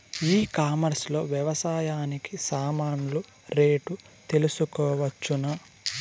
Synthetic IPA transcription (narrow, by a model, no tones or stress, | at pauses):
iːkaːmɐɾslo̞̰ːʋjɛʋɐsaːjaːnikisaːmaːnulu | ɾe̞ːʈu | t̪e̞lusukɔːʋɐt͡ʃːunɐ